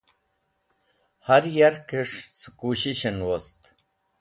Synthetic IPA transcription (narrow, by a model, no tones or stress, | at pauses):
haɾjaɾkeʂt͡sɨkuːɕiɕenwost̪